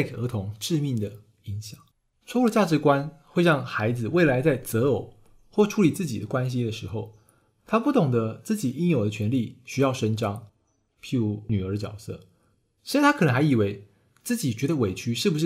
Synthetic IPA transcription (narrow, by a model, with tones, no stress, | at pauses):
kʔə˧˥t̪ʰʊ˧˥ŋʈ͡ʂɻ̩˥˧mi˥˩ŋd̪ə˩ | i˧˥ŋɕjɑ˨˩˦ŋ | t͡sʰwu˥˩ə˧t͡ɕja˥˩ʈ͡ʂɻ̩˧˥kwa˦˥nxwe˥˧ɻɑ˥˩ŋxa˧˥ɪd͡zɹ̩˨we˥˩ɪla˧˥ɪt͡sa˥˩ɪt͡sɤ˧˥jo˨˩˦ʊ | xwɔ˥˩ʈ͡ʂʰu˧˥li˨˩t͡sɹ̩˥˩t͡ɕḭ˨˩d̪ə̰˦kwa˦˥nɕ̬i˥d̪ə˨ʂɻ̩˧˦xo˥˧ʊ | t̪ʰa˥pu˥˩t̪ʊ˨˩ŋd̪ə˦t͡sɹ̩˥˩t͡ɕi˨˩i˥njo˨˩ʊd̪ə˩t͡ɕʰɥɛ˧˥nli˥˩ɕy˥jɑ˥˩ʊʂə˥nʈ͡ʂɑ˥ŋ | pʰi˥u˧˥ny˨˩ə˞˧˥ə˧t͡ɕjɑ̰˨˩ʊsɤ̰˥˩ | ʂ̩˧˥a˥˩tʰa˥kɤ˨nə˦˥ŋxa˧˥ɪi˨˩we˧˥ɪ | t͡sɹ̩˥˩t͡ɕi˨˩t͡ɕɥɛ˧˥d̪ə˨we˨˥ɪt͡ɕʰy˥ʂɻ̩˥˩bu˧˩ʂɻ̩˥˩